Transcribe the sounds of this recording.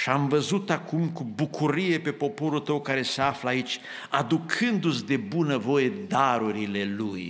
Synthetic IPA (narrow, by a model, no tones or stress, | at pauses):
ʃiamvəzut̪akumkubukʰuɾije̞pe̞po̞po̞ɾult̪əwkaɾe̞seafləait͡ʃʲ | ad̪ukʰɨnd̪usʲd̪e̞bunəvo̞je̞d̪aɾuɾileluj